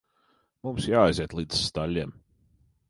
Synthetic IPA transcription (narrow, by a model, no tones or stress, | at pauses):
mumsjaːajzʲiɛt̪lˠiːd̪z̥st̪alʲːim